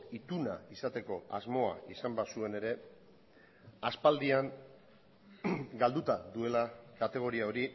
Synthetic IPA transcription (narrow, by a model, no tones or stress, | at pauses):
it̪una̰isat̪e̞ko̞azmo̞a̰isambasue̞ne̞ɾe̞ | aspald̪iaŋ | ɡald̪ut̪aðue̞lakat̪e̞ɣ̞o̞ɾiao̞ɾi